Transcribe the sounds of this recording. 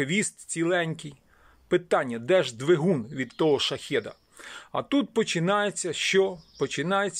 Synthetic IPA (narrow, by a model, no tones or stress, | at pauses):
ʋʲist̪̚t͡sʲilˠɛnʲkʲij | pɪt̪ɑnʲːɐd̪ɛʒd̪ʋeɦunʋʲid̪t̪ːɔɦɔʃɐxʲɛd̪ɐ | ɐt̪ut̪̚pɔt͡ʃɪnɑjet͡sʲːɐʃt͡ʃɔpɔt͡ʃɪnɑjet͡sʲː